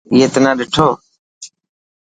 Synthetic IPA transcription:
ɪjeːt̪ənãːɗɪʈʰoː

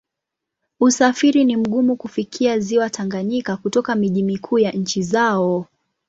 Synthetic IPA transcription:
usafiɾinim̩ɠumukufikʰiaziwatʰaŋɡaɲikakutɔkamiʄimikʰuːjaɲ̩t͡ʃizaɔ

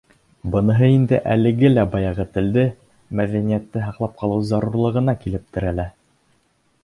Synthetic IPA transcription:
bɤ̆nɤ̆ɦɤind̪ɘ̰ʔælɘ̆ɡɘlæbɑjɑʁɤt̪ɘ̆ld̪ɘ | mæðænijæt̪ːɘɦɑqlˠɑp̚qʰɑlˠɤwzɑɾuɾlˠɤ̆ʁɤ̆nɑkilɘp̚t̪ɘ̆ɾælæ

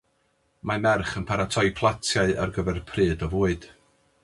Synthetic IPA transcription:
mamɛrχənpʰaɾatʰɔjpʰlˠatʰjaɨa̰rɡəvɛrpʰrɨːdɔvuːɨd̥

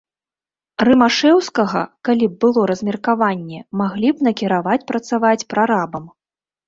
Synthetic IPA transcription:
rɨmaʂɛwskɐɣɐ̰kalʲib̚bɨlˠɔɾɐzʲmʲɛrkavanʲːɛmaɣlʲipn̪ɐkʲiɾavat͡sʲpɾɐt̪savat͡sʲpɾaɾabɐm

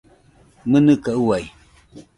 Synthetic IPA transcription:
mənɨkauwaj

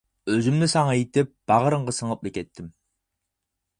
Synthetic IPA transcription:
øzymnɪsɑŋɑjet̪ɪp̚b̥ɑʁəɾəɴʁɑsəŋəp̚lɪkʲʰɛt̪ʰːɪm

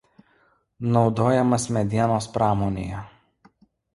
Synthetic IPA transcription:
nɒʊd̪oːjɛmɐsmʲɛd̪ʲiɛnoːspɾɑːmoːnʲḛːjɛ

